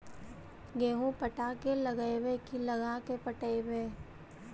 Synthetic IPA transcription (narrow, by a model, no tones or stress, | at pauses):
ɡeːɦũpəʈakeləɡəewekiləɡakepəʈəebeː